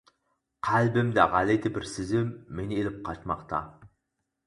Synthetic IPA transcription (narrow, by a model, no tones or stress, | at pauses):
qʰælbɪmd̪æʁɑlet̪ʰɪbɪɾsɪzɪmːenɪelɪp̚qʰɑt͡ʃmɑ̰qt̪ʰɑ̰